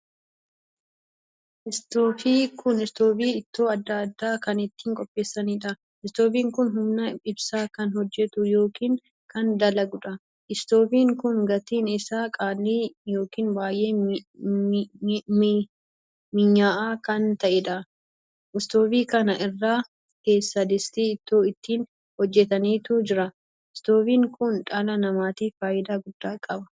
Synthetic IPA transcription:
ʔɪst̪oːfiːkʊnɪst̪oːbiːɪt̪ːoːɐd̪ːɐɐd̪ːaːkɐnɪt̪ːiːŋkʼɔpʼːe̞ːsːɐniːᶑɐ | ɪst̪oːfiːŋkʊnɦʊmnɐɪbsaːkɐnhɔd͡ʒːɛt̪ʊjo̞ːkiːŋ | kɐnd̪ɐlɐɡʊᶑɐ | ʔɪst̪o̞ːfiːŋkʊŋɡɐt̪iːnɪsaːkʼaːlːiːjo̞ːkiːnbaːjʔe̞ː | mɪɲːaːʔaːkɐnt̪ɐʔɪᶑ̪ɐ | ʔɪst̪oːfiːkɐnɐʔɪrːaː | ke̞ːsːɐd̪ɪst̪iːɪt̪ːoːɪt̪ːiːn | hɔd͡ʒːɛt̪ɐniːt̪uːd͡ʒɪɾɐ | ɪst̪o̞ːfiːŋkʊnᶑʼɐlɐnɐmaːt̪iːffaːjɪd̪aːɡʊd̪̥ːaːkʼɐbɐ

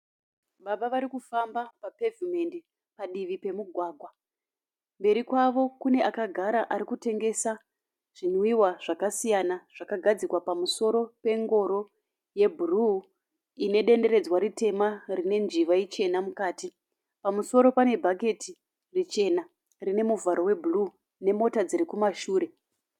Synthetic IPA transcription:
ɓaɓaʋaɾikufambapape̞vume̞ndi | paɗiʋipe̞muɡʱwaːɡʱwa | mbe̞ɾikwaʋo̞kune̞ʔakaɡʱaɾaʔaɾikute̞ŋɡe̞sa | ʐ̥inwiwaʐ̥akasijanaʐ̥akaɡʱad͡zikwapamuso̞ɾo̞pe̞ŋɡo̞ɾo̞ | je̞bʱuru | ine̞ɗe̞nde̞ɾe̞d͡zwaɾite̞marine̞nd͡ʒiʋait͡ʃe̞namukaːti | pamuso̞ɾo̞pane̞bʱaɡʱe̞ti | rit͡ʃe̞na | rine̞muvaɾo̞we̞bʱuru | ne̞mo̞tad͡ziɾikumaʃuːɾe̞

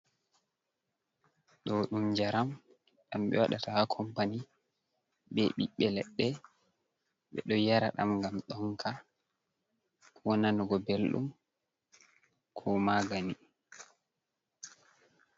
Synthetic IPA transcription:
ɗɔɗumd͡ʒaɾam | ɗamɓɛ̰waɗatahakʰɔmpani | bɛɓiɓːɛlɛɗːɛ | ɓɛ̰ɗɔjaɾaɗa̰mɡamɗɔŋkʰa | wɔnanɔɡɔbelɗṵm | kʰɔmaɡani

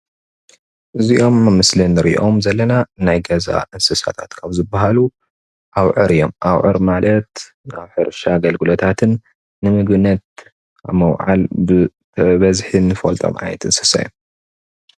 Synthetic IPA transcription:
ʔɨzio̞mːɨmɨslɨnːɨɾiʔʔo̞mzɐlːɐnanajɡɐza̰ʔɨnsɨsa̰t̪ʰat̪kʰaβzɨbːaɦalu | ʔawʕɨɾijo̞̰mʔawʕɨ̰ɾmalɐt̪ | aβħɨɾʃaɡɐlɡɨlot̪ʰat̪ʰɨnː | ɨmɨɡɨnɐt̪̚ | aβmɐwʕa̰lbɨ | βɐzħinɨfolt̪ʼo̰mʔa̰jɛt̪ɨnsɨ̥sa̰jːom

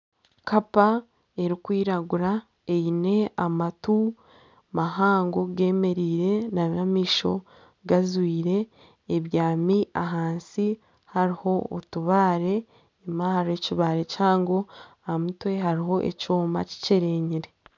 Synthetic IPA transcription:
kapa | e̞ɾikwiːɾaɡuɾa | ejine̞amatu | maɦaːŋɡoɡe̞ːme̞ɾiːɾe̞namamiːʃo̞ | ɡazwiːɾe̞ː | βjaːmiʔaɦaːnsi | haɾiho̞o̰tuβaːɾe̞ː | mahaɾeciβaːɾe̞caːŋɡo | amutwe̞ɦaɾiɦo̞ʔḛcoːma̰ci̥ceɾe̞ɲiɾe

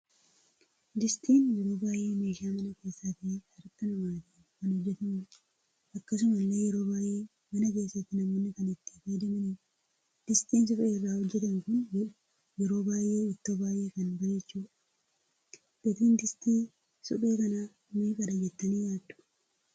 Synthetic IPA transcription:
d̪ɪst̪iːnjɛɾo̞ːbaːjʔe̞ːmeːʃaːmɐnɐke̞ːsːaːt̪ɪɐɾɐt̪ːɐnɐmaːt̪ɪː | kɐnhɔd͡ʒːɛt̪ɐm | ʔɐkːɐs̬ʊmɐlːeːjɛɾo̞ːbaːjʔeː | mɐnɐke̞ːsːɐt̪ːɪnɐmoːnːɪkɐnɪt̪ːi̥ːfɐjd̪ɐmɐniː | d̪̥ɪst̪iːns̬ɔᶑeːɪrːaːhɔd͡ʒːɛt̪ɐŋkʊn | jɛɾo̞ːbaːjʔe̞ːɪt̪ːoːbaːjʔe̞ːkɐnbɐɛt͡ʃːuːᶑɐ̥ | d̪et̪iːnd̪ɪst̪iː | sɔᶑeːkɐnaː | miːkʼɐᶑɐd͡ʒɛt̪ːɐniːjaːd̪ːʊ̥

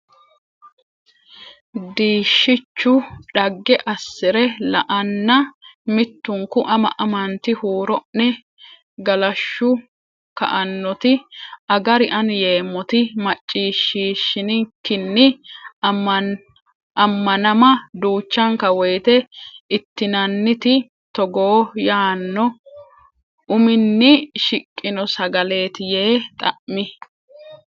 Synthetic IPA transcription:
d̪iːʃːɪt͡ʃːʊᶑɐɡːɛʔɐsːɪɾɛlɐ̰ʔɐnːɐmɪt̪ːʊŋkʊʔɐmɐ̰ʔɐmɐnt̪ɪhuːɾɔʔnɪ | ɡɐlɐʃːʊ | kɐ̰ʔɐnːɔt̪ɪɐɡɐɾɪʔɐnjeːmːɔt̪ɪmɐt͡ʃʼːiːʃːiːʃːɪnɪkːɪnːɪ | ɐmːɐnɐmɐd̪uːt͡ʃːɐŋkɐwɔjt̪ɛɪt̪ːɪnɐnːɪt̪ɪ | t̪ɔɡoːjaːnːɔ | ʊmɪnːɪʃɪkʼːɪnɔsɐɡɐle̞ːt̪ɪje̞ːt̪ʼɐ̰ʔmɪ

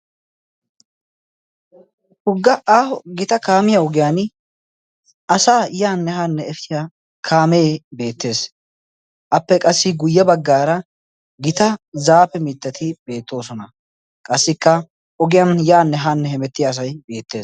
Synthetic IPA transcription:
hʊɡːɐʔaːhɔɡɪt̪ɐkaːmɪjɐɔɡɪjaːn | ɐsaːjaːnːɛɦanːɛɛfɪja | kʰaːmebe̞ːt̪ːe̞ːs | ʔɐpːɛkʼɐsːɪɡʊjːɐbɐɡːaːɾɐ | ɡɪt̪ɐzaːpːɛmɪt̪ːɐt̪ʰɪbe̞ːt̪ːo̞ːsɔnɐ | kʼɐsːɪkːɐ | ʔɔɡɪjanjaːnːɛɦanːɛhɛmɛt̪ːɪjaːs̬ɐjbe̞ːt̪ːe̞ː

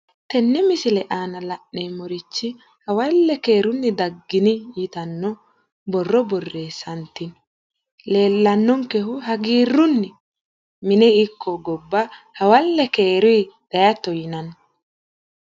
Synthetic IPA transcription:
t̪ɛnːɛmɪsɪlɛʔaːnɐlɐʔneːmɔɾɪt͡ʃːɪ | hɐwɐlːɛke̞ːɾʊnːɪd̪ɐɡːɪnɪjɪt̪ɐnːɔ | bɔrːɔbɔrːeːsɐnt̪ːɪn | le̞ːlːɐnːɔŋkɛɦʊɦɐɡiːrʊnːɪ | mɪnɛɪkʰːɔɡɔbːa | hɐwɐlːɛkeːɾʊjd̪̥ɐjɐt̪ːɔjɪnɐn

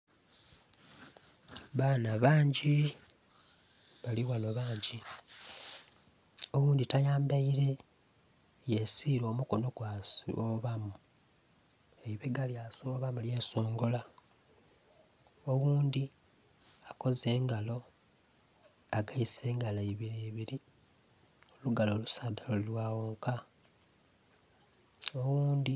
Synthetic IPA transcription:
βaːnaβaːɲɟi | βaliwano̞βaːɲɟi | oɣuːnd̪itajaːmbaiɾe̞ | jesiɾo̞ːmuko̞no̞ɡwasoβamu | eiβeɡaljasoβamulje̞ːso̞ːŋɡo̞la | owuːnd̪i | ako̞ze̞ːŋɡalo̞ | aɡaise̞ːŋɡaleiβiɾeːβiɾi | oluɡalo̞ːlusaːdalolilwaːwoːŋka | o̞wuːnd̪i

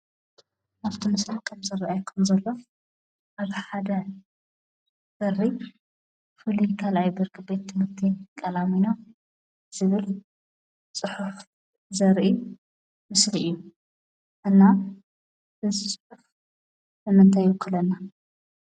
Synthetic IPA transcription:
ʔaβt̪ʰimɨsɾakʰɐmzɐraʔajkʰɐmzɐlːɐf | ʔaβħad̪ɐ | b̥ɐrːi | fɨlikʰalʔajbɨɾkʰɨbet̪ʰːɨmɨt̪ʰikʼɐlamino | z̥ɨβɨl | t͡sʼɨħuf | zɐɾʔi | mɨsliʔijːu | ʔɨnːa | ɨzɨsʼɨħuf | mɨmɨnt̪ʰajwɨkʰːɨlɐnːa

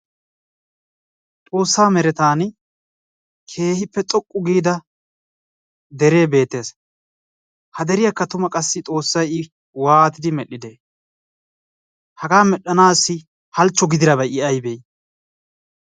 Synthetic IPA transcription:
t̪ʼo̞ːsːaːmɛɾɛt̪aːn | kʰe̞ːhɪpːɛt̪ʼɔkʼːʊɡiːd̪ɐ | d̪ɛɾe̞ːbe̞ːt̪ːe̞ːs | hɐd̪ɛɾɪjakːɐt̪ʊmɐkʼɐsːɪt̪ʼo̞ːsːɐjɪ | waːt̪ɪd̪ɪmɛɗːɪd̪eː | hɐɡaːmɛɗːɐnaːsːɪ | hɐlt͡ʃːɔɡɪd̪ɪɾɐbɐjɪʔɐjbeːj

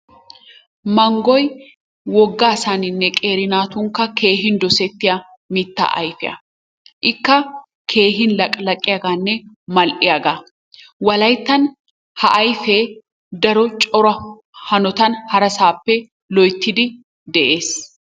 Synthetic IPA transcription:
mɐŋɡɔj | wɔɡːaːsaːnɪnːɛkʼeːɾɪnaːt̪ʊŋkɐkeːɦɪnd̪ɔsɛt̪ːɪɐ | mit̪ːa̰ːʔɐ̰jfɪʔɐ̰ | ʔɪkːɐ | kʰe̞ːɦɪnlɐkʼlɐkʼːɪɐɡaːnːɛ | mɐlʔɪɐɡa | wɐlɐjt̪ːɐn | hɐʔɐjfeː | d̪ɐɾɔt͡ʃʼɔɾɐ | hɐnɔt̪ɐnhɐɾɐsaːpːɛ | lɔjt̪ːɪd̪ɪ | d̪ɛʔeːs

